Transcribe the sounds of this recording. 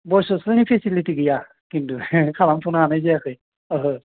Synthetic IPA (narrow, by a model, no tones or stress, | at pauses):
bɔjsɔsɯnipʰɛsilitiɡɯja | kintukʰalamtʰunaanajzɛakʰɯj | ɯɦɯ